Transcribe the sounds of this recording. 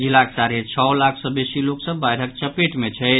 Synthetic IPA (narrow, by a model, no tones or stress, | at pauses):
d͡ʒilaksaɾet͡ʃʰɔwlakʰsɔbesiloksəbːajɾək̚t͡ʃəpeʈmet͡ʃʰɛ